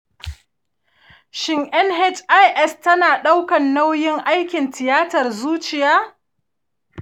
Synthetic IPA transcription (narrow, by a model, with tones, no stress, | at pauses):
ʃɪ˦ŋʔɛ˦nɦɛ˦t͡ʃʼʔa˦jʔɛ˦stɐ˦naː˨ɗa˦wkɐ˨nːa˦wjɪ˦ŋʔa˦jkʲɪ˨ntɪ˨jaː˦tɐ˨rzuː˦t͡ʃɪ˨jaː˦